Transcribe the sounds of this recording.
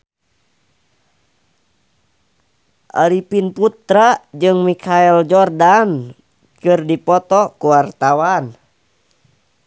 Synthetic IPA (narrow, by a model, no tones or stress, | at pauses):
ʔa̰ɾipinput̪ɾad͡ʒɨŋmikʰaɛld͡ʒɔrdan | kɨrdipɔt̪ɔkuwart̪awan